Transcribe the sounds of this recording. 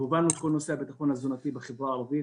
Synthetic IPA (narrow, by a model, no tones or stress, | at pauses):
uvanut̪kolnoseabet̪aχonhazonat̪ibeχevʁaaːʁavi